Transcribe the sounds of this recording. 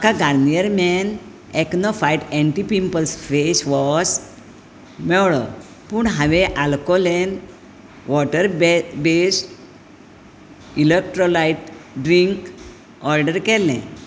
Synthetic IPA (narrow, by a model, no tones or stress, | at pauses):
akaɡaɾnijəɾmɛn | ɛknɔfajʈɛ̃ɳʈipimpəlsfesʋɔs | mɛwɭɔ̰ | puːɳɦaʋɛ̃ʔalkɔlɛn | ʋɔʈəɾbesʈ | ilek̚ʈɾɔlajʈɖɾiŋk | ɔɾɖəɾkɛlɛ̰̃